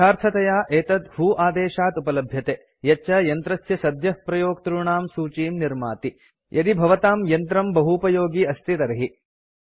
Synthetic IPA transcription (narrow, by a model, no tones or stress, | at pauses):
aːɾt̪ʰɐt̪ɐjaːʔeːt̪ɐd̪huːʔaːd̪eːʃaːt̪upɐlɐbʱjɐt̪eː | jɐt͡ʃːɐjɐnt̪ɾɐsjɐsɐd̪ʱjɐhpɾɐjoːɡ̚t̪ɾuɳaːmsuːt͡ʃiːmniɾma̰ːt̪i | jʔɐd̪ibʱɐʋɐt̪aːmjɐnt̪ɾɐmbɐɦupɐjoːɡiːɐst̪ʰit̪ɐɾɐɦi